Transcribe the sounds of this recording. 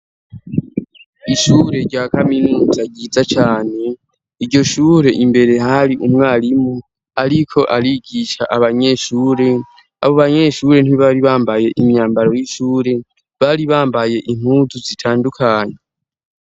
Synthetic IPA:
iʃuːɾe̞ɾɟaːkaminuːzaɟiːzat͡ʃaːne̞ | iɾɟo̞ʃuːɾe̞ʔimbe̞ɾe̞ɦaɾiʔumŋaːɾimu | aɾikʰo̞ʔaɾiɡiʃa̰ʔaβaɲe̞ːʃuːɾe̞ | a̰βo̞βaɲe̞ːʃuːɾe̞n̥iβaɾiβaːmbaje̞ʔimjaːmbaɾo̞jiʃuːɾe̞ | βaːɾiβaːmbaje̞ʔim̥huːzuzitʰaːndukʰaːɲe̞

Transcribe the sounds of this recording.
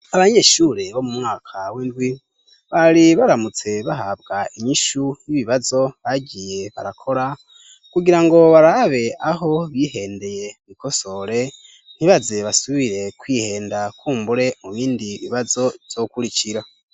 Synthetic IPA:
aβaɲe̞ʃuːɾe̞βo̞mumŋaːkʰaweːndɡwi | βaɾiβaɾamut͡se̞βaɦabɡaiɲiʃujiβiβazo̞βaɟije̞βa̰ɾakʰo̞ɾa | kuɟiɾaŋɡo̞βaɾaβe̞aɦo̞βihe̞ːnde̞je̞βiko̞so̞ɾe̞ | n̥iβaze̞βasuβiɾe̞kwiːhe̞ːndakʰuːmbuɾe̞muβiːndiβiβazo̞v̥jo̞kuɾiciɾa

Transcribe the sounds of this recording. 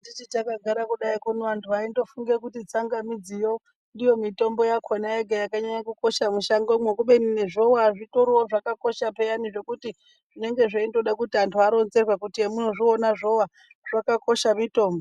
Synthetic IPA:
dit͡ʃitakaɡʱaɾakuɗaikunoʋantʰuaindo̞fuŋɡekutit͡saŋɡamid͡zijo̞ | ndijo̞mito̞mbo̞jakʰonaeɡʱajakaɲaɲakuko̞ʃamuʃaŋɡomwekuɓenineʐowaʐitoɾowoʐakako̞ʃapejaniʐe̞kuti | ʐ̥ine̞ŋɡe̞ʐaindo̞ɗakutiantʰuaɾo̞nze̞rwakutiemunoʐionaʐo̞wa | ʐ̥akako̞ʃamito̞ːmbo

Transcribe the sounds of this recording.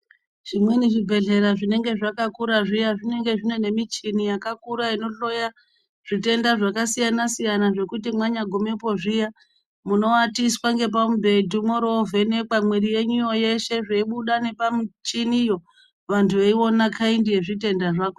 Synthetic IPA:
ʐ̥imwe̞niʐibʱe̞ɮe̞ɾaʐine̞ŋɡe̞ʐakakuɾaʐijaʐine̞ŋɡe̞ʐine̞ne̞mit͡ʃinijakakuɾaino̞ɬo̞ja | ʐ̥ite̞ndaʐakasijanasijanaʐe̞kutimwaɲaɡʱomepo̞ʐija | muno̞watiswaŋɡe̞p̬amubʱe̞dumoɾo̞vene̞kamwiɾije̞ɲuijo̞je̞ʃe̞ʐeiɓuɗane̞pamit͡ʃinijo̞ | ʋantʰuʋeiwo̞nakʰaindije̞ʐite̞ndaʐako

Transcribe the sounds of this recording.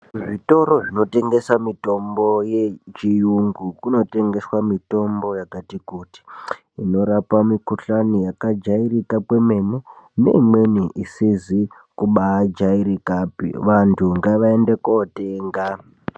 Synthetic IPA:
ʐito̞ɾo̞ʐino̞te̞ŋɡe̞samito̞mbo̞jet͡ʃijuŋɡukuno̞te̞ŋɡe̞swamito̞mbo̞jakatikuːti̥ | ino̞ɾapamikuɬanijakad͡ʒairikapwe̞me̞mene̞̰imwe̞niʔisizi | kuɓaːd͡ʒaiɾikaːpḭʋantʰuŋɡaʋaendekoteŋɡa

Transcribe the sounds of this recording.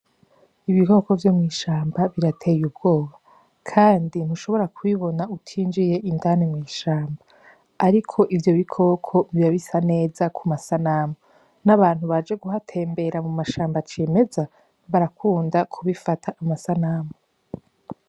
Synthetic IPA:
iβiko̞ko̞vjo̞mŋiːʃaːmbaβiɾatʰe̞jub̚ɡ̥o̞ːβa | kʰaːndin̥uʃo̞βo̞ɾakwiβo̞nautʰiːnd͡ʒije̞ʔindanemŋiːʃaːmbaː | ɾikʰo̞ʔivjo̞βikʰo̞kʰo̞miβaβisane̞ːzakʰumasanaːmo | naβaːn̥huβad͡ʒe̞ɡuɦatʰe̞ːmbe̞ɾamumaʃaːmbat͡ʃeːme̞za | βaɾakʰuːndakʰuβifatʰaʔːmasanaːmo

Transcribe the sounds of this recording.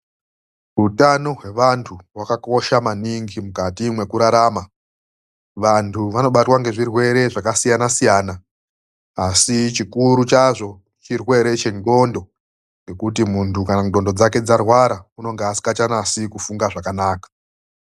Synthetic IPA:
utanoɦwe̞ʋantʰuwakako̞ʃamaniŋɡimukatimwe̞kuɾaɾaːma | ʋantʰuʋano̞ɓatwaŋɡe̞ʐirwe̞ɾe̞ʐakasijanasijaːnaː | sit͡ʃikuɾut͡ʃaʐo̞ | t͡ʃirwe̞ɾe̞t͡ʃe̞ŋɡo̞ndo̞ | ŋɡe̞kutimuntʰukanaŋɡo̞ndo̞d͡zake̞d͡zarwaɾauno̞ŋɡeasi̥kat͡ʃanasikufuŋɡaʐakanaːkḁ

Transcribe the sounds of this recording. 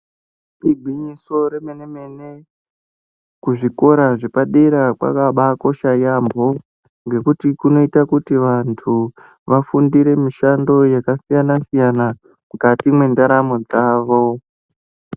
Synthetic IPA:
ibʱiɲiso̞ɾemeneme̞ne̞ | kuʐiko̞ɾaʐe̞paɗeɾakwa̰kaɓako̞ʃajambʱo̞ | ŋɡe̞kutikuno̞itakutiʋantʰu | ʋafundiɾe̞miʃando̞jakasijanasijana | mukatimwe̞ndaɾamod͡zaːʋo̞

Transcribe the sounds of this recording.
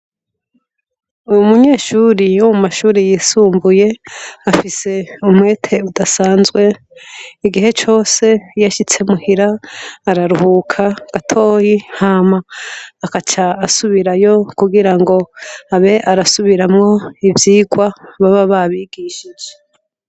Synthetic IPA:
uumuɲe̞ːʃuɾijumumaʃuːɾijiːsuːmbuje̞afise̞umŋwe̞ːtʰe̞udasaːnzɡwe̞ | iɡiɦe̞t͡ʃo̞ːse̞jaʃit͡se̞muhiɾaːɾaɾuhuːkʰaɡ̥atʰo̞ːhihamaːkat͡ʃaːsuβiɾajo̞kuɡiɾaŋɡo̞aβe̞ʔaɾasuβiɾamŋo̞ivjiːɡwaβaβaβaβiɡiʃid͡ʒe

